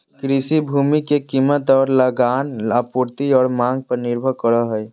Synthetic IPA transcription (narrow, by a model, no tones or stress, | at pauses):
kɾisibʱuːmikekimət̪ɔːɾləɡaːnapuɾt̪iɔːɾmãŋɡ̚pəɾnɪɾbʱəɾkəɾəɦəj